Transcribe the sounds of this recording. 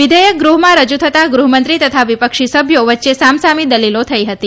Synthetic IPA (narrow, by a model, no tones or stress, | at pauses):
ʋid̪ʱəjək̚ɡɾuɦmãɾəd͡ʒut̪ʰət̪aɡɾuɦəmənt̪ɾit̪ət̪ʰaʋipəkʃisəbʱjoʋət̪ːʃesamsamid̪əlilot̪ʰəiɦət̪i